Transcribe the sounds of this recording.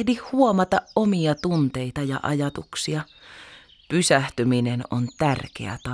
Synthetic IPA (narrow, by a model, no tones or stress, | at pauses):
dihhuomɑt̪ɑʔʔomiɑt̪unt̪eit̪ɑjɑ̰ʔɑ̰jɑt̪uksiɑ | pysæht̪yminenont̪ærkḛæ̰t̪ɑ